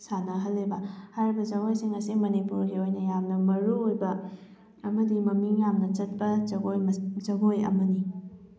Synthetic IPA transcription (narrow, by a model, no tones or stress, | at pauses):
sanɐɦɐlːibɐhajɾibɐzɐɡojsiŋɐsimɐnipuɾɡiojnɐjamnɐmɐɾuojbɐː | mɐdimɐmiŋjamnɐt͡ʃɐt̚pɐozɐɡojɐ̰mɐni